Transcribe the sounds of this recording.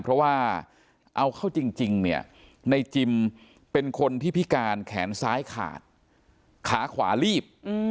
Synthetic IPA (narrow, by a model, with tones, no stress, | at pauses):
pʰɾɔ˦˥waː˥˩ | ʔa˧wkʰa˥˩wt͡ɕi˧ŋt͡ɕi˧ŋni˥˩ɐ | na˧jt͡ɕi˧m | pe˧nkʰo˧nt̪ʰiː˥˩pʰi˦˥kaː˧nkʰɛ̰ː˩˦nsaː˦˥jkʰa̰ː˨˩t̪̚ | kʰaː˩˦kʰwa̰ː˩˦liː˥˩p̚ː